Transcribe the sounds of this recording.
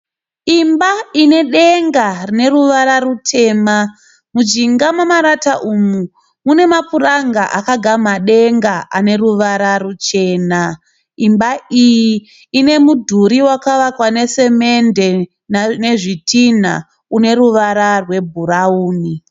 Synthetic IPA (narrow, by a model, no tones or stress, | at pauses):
imbaine̞ɗeŋɡarine̞ɾuʋaɾarutʰe̞ːma | mud͡ʒiŋɡamamaɾataʔumu | mune̞mapuraŋɡaʔakaɡʱamaɗe̞ŋɡaʔane̞ɾuʋaɾarut͡ʃe̞ːna | imbaijiː | ne̞mudʱuɾiwakaʋakwane̞se̞me̞nde̞ | nne̞ʐitʰin̤a̰ | une̞ɾuʋaɾarwe̞bʱuɾauːni